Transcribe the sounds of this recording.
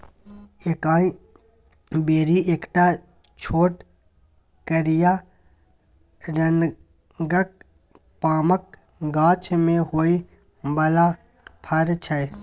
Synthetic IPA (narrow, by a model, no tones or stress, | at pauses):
ekaːĩ | beːɾiʔeːkʈa | t͡ʃʰoːʈ | kəɾija | ɾən | ɡək̚ | paːmək̚ | ɡaːt͡ʃmẽhoːi | bəla | pʰəɾt͡ʃʰə